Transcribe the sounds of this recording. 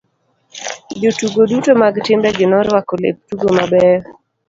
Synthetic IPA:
d͡ʒotuɡodutomaɡtɪmbɛɡɪnɔɾwakɔlḛp̚tuɡomabɛɾ

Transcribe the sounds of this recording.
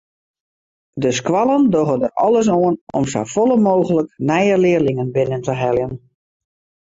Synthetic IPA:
dəskwɑlˠəndoɣədərɔ̰lˠəs̬oənɔ̰msa̰fɔlˠəmoːɣələknɛjəlɪərlɪŋənbɪnəntəɦɛlˠjən

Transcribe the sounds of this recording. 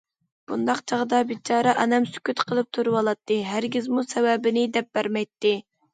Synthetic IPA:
b̥und̪ɑqt͡ʃʰɑʁəd̪ɑbit͡ʃʰɑːɾɛʔɑnɛmsy̥kʲyt̪qʰəlˠɨp̚t̪ʰuɾɨwɑlˠɑt̪ʰːɨɦæɾɡʲizmusɛwɛbɪnɪd̪ɛp̚b̥æɾmɛjt̪ːɨ

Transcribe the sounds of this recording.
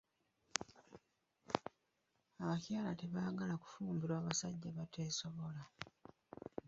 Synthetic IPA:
aβacaːlateβaːɡalaku̥fuːmbiɾaːβasaɟːaβatʰe̞ːsoβo̞la

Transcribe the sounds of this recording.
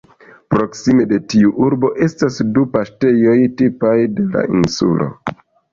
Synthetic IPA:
pɾo̞ksime̞de̞tiuʔuɾbo̞ʔe̞stasdupaʃte̞jo̞jtipajde̞la̰insṵlo̞̰

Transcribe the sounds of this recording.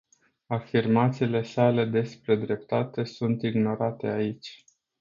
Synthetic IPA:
afirmat̪siːle̞sale̞d̪e̞spɾe̞d̪ɾe̞p̚t̪at̪e̞sunt̪iɡno̞ɾat̪e̞ait͡ʃʲ

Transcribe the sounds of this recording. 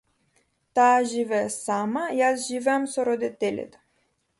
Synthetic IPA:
t̪aːʒivɛːsamajasʒivɛamsɔɾɔd̪it̪ɛlʲɛ̰t̪ḁ

